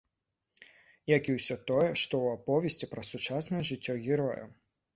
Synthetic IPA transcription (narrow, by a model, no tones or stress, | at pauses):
jakʲiwsʲɔt̪ɔjɛʂt̪ɔwapɔvʲesʲt͡sʲipɾɐsut͡ʂasnɐjɛʐɨt͡sʲːɔɣʲiɾɔjɐ̰